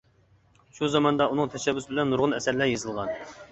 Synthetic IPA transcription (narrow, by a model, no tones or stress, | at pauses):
ʃuzɑmɑnd̪ɑunɨŋt̪ʰɛʃɛbːysbɪlɛnːuɾʁʊnɛsæɾlæɾjezɨlˠʁɑn